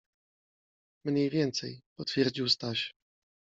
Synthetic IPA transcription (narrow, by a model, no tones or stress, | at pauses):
mɲejvʲjɛnt̪sɛjpɔt̪fʲjɛɾd͡ʑiwst̪aɕ